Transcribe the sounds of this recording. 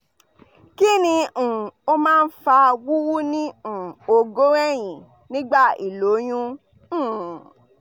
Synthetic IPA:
ki˦nĩ˧ũ˨o˦mãː˦˧n̩˦fa˧wu˦wu˦nĩ˦ũ˨o˧ɡo˦ɛ˦˨j̃ĩ˨ | nĩ˦ɡ͡ba˦˨i˨lo˨˦j̃ũ˧˦˨

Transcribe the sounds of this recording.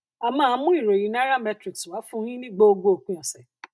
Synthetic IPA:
a˨mãː˦˧˦mũ˦i˦˨ɾo˨ɾĩ˨˦nã˦ɾa˦mɛ˧tɾi˨kswa˨˦fũ˦ɾ̃ĩ˦nĩ˦ɡ͡bo˦o˧ɡo˧o˨k͡pũ˨˦ɔ̃˨sɛ˨

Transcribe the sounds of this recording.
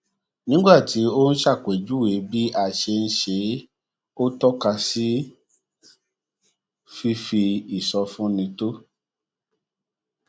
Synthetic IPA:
nĩ˦ɡ͡ba˦˨ti˨˦o˦n̩˦ʃa˦˨kʷe˨d͡ʒu˨˦we˨˦bi˦ʔa˦˨ʃe˧n̩˦ʃe˧˦ | o˦tɔ˦ka˧si˦ | fi˦fi˧i˨sɔ˧fũ˦nĩ˧to˦

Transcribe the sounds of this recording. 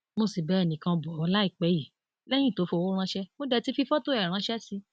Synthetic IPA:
mo˦˨si˨bɛ˦ɛ˦˨nĩ˨kã˧bɔ˨ɔ˧la˦i˦˨k͡pɛ˨˦ji˨ | lɛ˦j̃ĩ˦˨to˨˦fo˧wo˦ɾ̃ã˧˦ʃɛ˦mo˦dɛ˧ti˦fi˧˦fɔ˦to˦ɛ˦˨ɾ̃ã˨˧˦ʃɛ˦si˧

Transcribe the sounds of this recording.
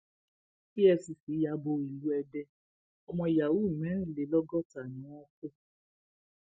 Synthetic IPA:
ki˦ɛ˧si˨si˨˦ja˧bo˧i˨lu˨˦ɛ˧dɛ˧ | ɔ˧mɔ̃˧i˨ja˨wu˨˦˨mɛ̃˨˦˨le˨lɔ˦ɡɔ˦˨ta˨nĩ˨˦wɔ̃˦k͡po˦

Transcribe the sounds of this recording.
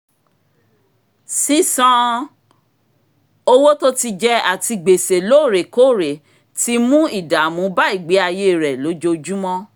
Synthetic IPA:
si˦sɔ̃˦˧ | o˧wo˦to˦ti˧d͡ʒɛ˦a˨ti˧ɡ͡be˨se˨lo˨˦˨ɾe˨ko˦˨ɾe˨ | ti˦mũ˦i˦˨da˨mũ˨˦ba˦i˦˨ɡ͡be˨˦a˧je˦˨ɾɛ˨lo˨˦d͡ʒo˧d͡ʒu˦mɔ̃˦

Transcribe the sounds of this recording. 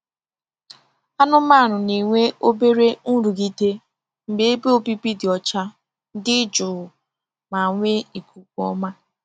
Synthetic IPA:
a˦nʊ˦ma˦˨ɾʊ˨ni˨ŋʷe˦o˦be˦ɾe˦n̩˦ɾu˨ɡi˦te˦ | m̩˨be˦e˦be˦o˦bi˦pi˦dɪ˨ɔ˨t͡ʃa˦ | n˦dɪ˦d͡ʒʊ˨ | ma˨ŋʷe˦i˨kʰu˨kʷɔ̰˦ma˦

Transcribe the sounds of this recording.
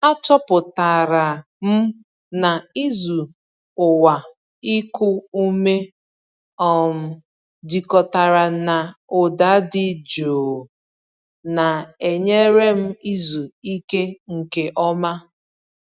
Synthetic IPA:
a˦tɔ˦pʊ˨ta˨ɾa˨ | m̩˦ | na˨i˦zu˨ | ʊ˨wa˨ | i˦kʊ˦u˦me˦ | ɔ˦˨m̩˨ | di˨kɔ˨ta˨ɾa˨na˨ʊ˨da˨˦dɪ˦d͡ʒoː˨ | na˨e˨ɲe˦ɾe˦m̩˦i˦zu˨i˦ke˦ŋ̩˨ke˦ʔɔ˦ma˦

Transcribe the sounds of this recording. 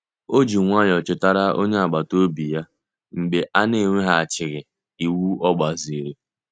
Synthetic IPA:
o˦d͡ʒi˨ŋʷa˦jɔ˨t͡ʃʊ˨ta˦ɾa˦o˦ɲe˦a˨ɡ͡ba˨to˦bi˨ja˦ | ŋ͡m̩˨ɡ͡be˨ʔa˦ne˦˨ŋʷe˦ɦa˦˨a˨t͡ʃɪ˨ɣɪ˨ | i˨wu˦ɔ˦ɡ͡ba˨zi˨ɾe˨

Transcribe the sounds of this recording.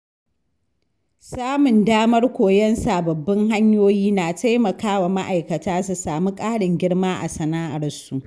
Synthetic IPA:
saː˦mʊ˨ndaː˦mɐ˦rkʷoː˨jɛ˦nsa˨bɐ˨bːɐ˦ŋɦa˦ɲjoː˦jiː˦naː˨tʰa˦jmɐ˨kaː˦wa˨ma˦ʔa˨jkɐ˨taː˦su˨saː˨mu˦kʼaː˦ɽɪ˨ŋɡʲɪ˦ɽmaː˦ʔa̰˨sɐ˨naː˦ʔa˨rsu˨ʔ

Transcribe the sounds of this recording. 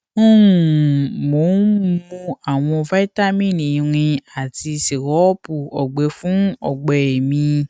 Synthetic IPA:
o˦wũ˨mo˨˦mũ˧a˨w̃ɔ̃˧va˦i˦ta˦mĩ˦˨nĩ˨ĩ˧ɾ̃ĩ˧a˨ti˧si˨ɾɔ˨˦pu˨ɔ˨ɡ͡be˨˦fũ˦ɔ̰˦˨ɡ͡bɛ˨e˨mĩ˧

